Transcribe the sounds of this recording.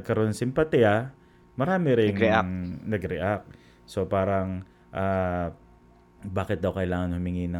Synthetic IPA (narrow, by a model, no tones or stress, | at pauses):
ɡ̚kɐɾoonɐsɪmpɐt̪iɐ | mɐɾaːmɪɾɪŋanɐɡɾɛʔak̚ | sopaːɾɐŋ | ʔaː | baːkɪt̪̚d̪ɐwkɐʔɪlaːŋɐnhʊmɪŋinɐ